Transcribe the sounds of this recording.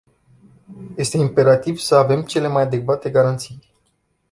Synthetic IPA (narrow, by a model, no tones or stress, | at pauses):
je̞st̪e̞impe̞ɾat̪ivsəave̞mt͡ʃe̞le̞majad̪e̞kvat̪e̞ɡaɾant̪sij